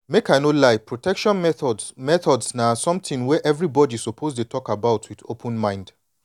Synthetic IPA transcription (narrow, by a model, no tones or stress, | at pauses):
mekaɪnolaɪpʰɹotʰɛkʃɔ̃nmɛθɔdsmɛθɔdsnasɔ̃mtĩŋwɛʔɛvɹibɔdisopʰoztetʰɔkabaʊtʰwitopʰə̃nmãɪ̃nd̥